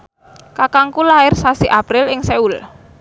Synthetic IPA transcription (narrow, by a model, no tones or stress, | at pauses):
kakaŋkulaɪrsasiʔapɾɪlɪŋseul